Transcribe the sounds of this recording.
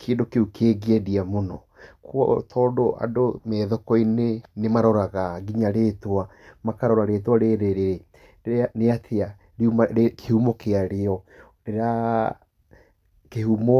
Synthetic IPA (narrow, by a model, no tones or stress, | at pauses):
keendokeukeːɡeɛdiamonɔ | kwɔ̰tʰɔːdoʔa̰domɛðokɔinenemaɾɔɾaɣaɡiɲaɾetwa | makaɾɔɾaɾetwaɾeɾeɾeɾe | neatʰea | ɾeumaekehumɔkeaɾeɔ | ɾeɾa | kehumɔ